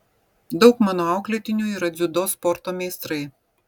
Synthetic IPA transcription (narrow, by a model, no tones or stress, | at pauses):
d̪ɒʊkmɑːnoɑˑʊklʲɛt̪ʲɪnʲuːiːɾɐd̪zʲʊd̪oːspɔɾt̪oːmʲeːst̪ɾɐɪ